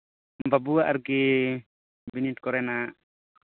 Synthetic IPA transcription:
mbabuaʔaɾɡi | binit̪̚kɔɾɛna

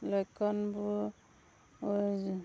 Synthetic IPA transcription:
lɔjkɔnbu

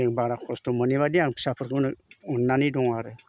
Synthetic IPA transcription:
eŋbaɾakʰostuməniβadiaŋpʰi̥sapʰɯɾkɯnunːanidɔŋaɾɯ

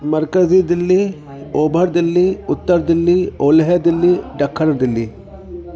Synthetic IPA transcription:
mɐɾkɐzid̪ɪlːi | oːbʱɐɾd̪ɪlːiʊt̪ːəɾd̪ɪlːioːlɦed̪ilːiɖɐkʰːɐɾɐd̪ɪlːi

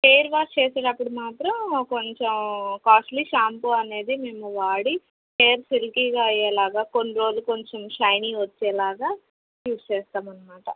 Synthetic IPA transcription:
peːɐɾʋaːst͡ʃɛːseːɽɐpːuɽumaːt̪ɾɐmko̞ɲt͡ʃomkaːsʈliːʃaːmpuɐne̞ːd̪imemuʋaːɽi | peːɾsilkiːɡaːɐjːɛːlaːɡaːko̞nːiɾo̞ːluko̞ɲt͡ʃomʃɐjniːʋɐt͡ʃːɛːlaːɡaː | ʈjuːst͡ʃɛːst̪aːmɐnːɐmaːʈɐ

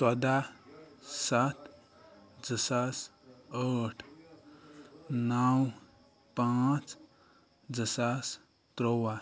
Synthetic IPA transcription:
sad̪a | sat̪ | d͡zəsasəʈʰ | naw | pãt͡s | d͡zəsas | t̪ɾowa

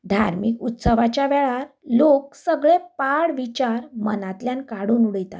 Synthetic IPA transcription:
d̪ʱaɾmikut̪səʋat͡ɕjaʋɛɭaɾlok̚səɡɭepaɽʋit͡ɕaɾmənat̪ljankaɽuːnuɽəjt̪a̰t̪

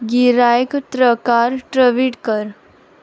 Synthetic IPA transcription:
ɡiɾaːjkt̪ɾəkaːɾʈɾəʋiʈkəɾ

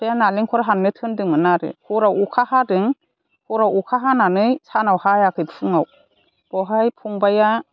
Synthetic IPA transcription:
b̥ajanaliŋkʰɔɾaɦannɯtʰɯndɯŋɯnaɾɯ̰hʰuɾawukʰahadɯŋ | huɾawukʰaɦananɯjsʰanawhajakʰɯjpʰɯŋaw | b̥ɔɦajpʰuŋbaja

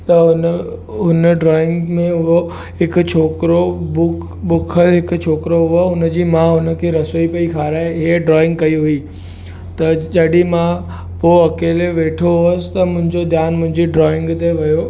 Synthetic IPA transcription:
t̪ɐɦʊnɦʊnəɖɾɔːɪ̃ŋɡmẽɦʊɦo | ɦɪkt͡ɕʰoːkɾobʊkʰ | ɓʊkʰəlɦɪkʊt͡ɕʰoːkɾoɦʊoʊnə̆d͡ʑiːmãɦʊnə̆kʰeːɾɐsoipɐikʰaːɾaːeiɖɾɔːɪ̃ŋɡkɐiɦʊi | t̪ɐd͡ʑɐɗimã | poɐkeːleʋeːʈʰoɦʊəsɪ̥t̪ɐmʊ̃ɦɪ̃ɲd͡ʑod̪jaːnmʊ̃ɦɪ̃ɲd͡ʑiɖɾɔːɪ̃ŋɡt̪eʋɐjo

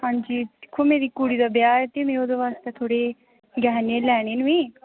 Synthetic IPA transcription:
hãːnd͡ʒiːd̪ɪkʰːoːmeːɾiːkuːɽiːd̪aːbjaːɾɛt̪eːmɛ̃ːoːd̪oːʋaːst̪eːt̪ʰoːɽeː | ɡɛːneːlɛːɽ̃eːnũẽː

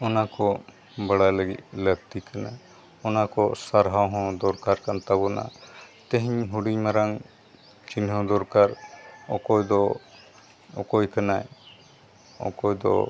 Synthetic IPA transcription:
ɔnakɔ | bəɽajləɡit̪̚ləɡ̚t̪ikana | ɔnakɔsaɾɦawɦɔ̃d̪ɔɾkaɾkant̪aβɔna̰t̪eɦiɲɦuɽiɲmaɾaŋ | t͡ʃinɦɔ̃d̪ɔɾkaɾɔkɔjd̪ɔ | ɔ̰kɔjkanaj | ɔ̰kɔjd̪ɔ̰

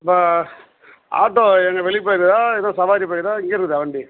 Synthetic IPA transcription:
pːa | a̰ːʈːoːɛŋɡɐʋɛɭɪp̬ːaːjɪɾkːɯðaːɪðãːsɐʋaːɾipaːkːɯðaːɪŋɡeːɾɯkːɯðɯɐʋɐɳɖi

